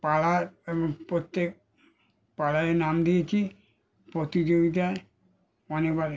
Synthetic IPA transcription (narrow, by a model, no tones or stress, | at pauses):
palaɾebɔŋpɾot̪ːek̚ | palaenamd̪ijet͡ɕʰi | pɾot̪id͡ʑoɡit̪̬ae | ɔnekbaɾ